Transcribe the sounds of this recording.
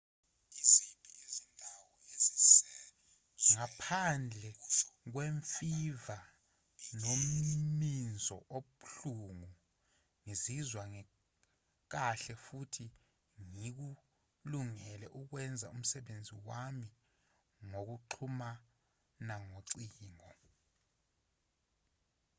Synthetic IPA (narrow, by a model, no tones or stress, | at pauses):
izindʱwɔ | ŋapʰand͡ɮʱɛk̬weɱfiva | nom̩mind͡zʱɔʔoɓuɬuŋu | ŋizizwaŋɛ | k̬aɬɛfutʰi | ŋik̬u | luŋɛlɛʔuk̬wɛnd͡zʱaum̩sɛɓend͡zʱiwami | ŋok̬uǃʰuma | naŋoǀiːŋɔ